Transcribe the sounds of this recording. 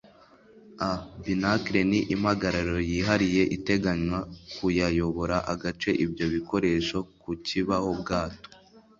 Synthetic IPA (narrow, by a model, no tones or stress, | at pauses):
abinakɾeniʔimhaɡaɾaɾo̞jiɦaɾije̞ʔite̞ɡaɲwakujajo̞βo̞ɾaʔaɡat͡ʃe̞ʔibjɟo̞βiko̞ɾe̞ʃo̞kuciβaho̞bɡaːto̥